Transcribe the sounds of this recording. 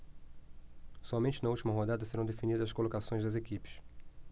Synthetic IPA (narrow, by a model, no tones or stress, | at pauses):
sɔmẽnt͡ʃɪnɐuwt͡ʃimɐɦod̪ad̪ɐseɾɐ̃w̃d̪efinid̪ɐzɐskolokasõj̃zd̪ɐzekipɪ̥s